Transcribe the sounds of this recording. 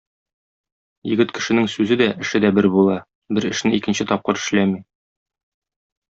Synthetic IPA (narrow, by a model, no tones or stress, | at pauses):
jɘ̆ɡɘt̪kɘ̆ʃɘ̆nɘŋsʉzɘd̪æʔɘ̆ʃɘd̪æbɘɾbulˠɑ | bɘɾɘ̆ʃnɘikɘ̆nɕɘt̪ɒp̚qɤɾɘ̆ʃlæmi